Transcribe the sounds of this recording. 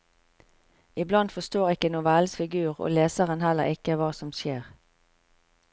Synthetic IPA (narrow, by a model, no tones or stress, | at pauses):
ɪblɑnd̪fɔst̪oːʁɪkənʊʋɛlsfɪɡʉːʁo̰ːleːsəʁənhɛlə̰ʁɪkəʋɑːsɔmʃeːʁ